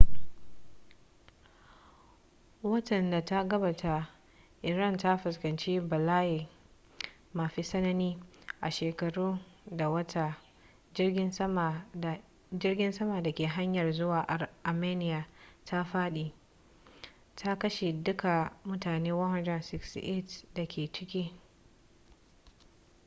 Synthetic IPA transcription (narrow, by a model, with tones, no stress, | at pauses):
wɐ˦tɐ˨nda˨ta˦ɡɐ˦baː˨tʰa˦ | ʔɪ˨ɾa˦˨nta˦ɸʊ˨skɐ˨nt͡ʃiː˦bɐ˨laː˦jiː˨ | maː˨ɸiː˦sɐ˦nɐ˦niː˦ʔa˨ʃeː˨kɐ˨ɽuː˦da˨wɐ˦ta˨˦˨ | d͡ʒɪ˦rɡʲɪ˦nsɐ˦ma˨da˨kʲeː˨ɦa˦ɲjɐ˨rzʊ˦waː˨ʔa˨ʔa˨meː˦nɪ˦˨ja˨tʰa˦ɸaː˦ɗi˨ | tʰa˦kɐ˦ʃe˨dʊ˦ka˨mʊ˦taː˨neː˦wɐ˦hɔ˨nd͡ʒɛ˨nsɪ˦kstḭ˨ʔe˦˨tda˨kʲeː˨t͡ʃɪ˦kʲi˦